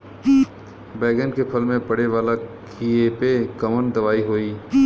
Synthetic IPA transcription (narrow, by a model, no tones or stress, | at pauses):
bɛːɡənkepʰəlmẽpɐɽeʋaːlakʰiepekɐmənd̪ɐʋaːiɦoːiː